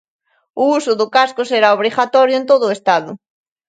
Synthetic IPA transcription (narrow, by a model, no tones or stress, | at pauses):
ʊusʊðʊkaskʊseɾaoβ̞ɾiɣat̪ɔɾjʊent̪oðʊest̪aðʊ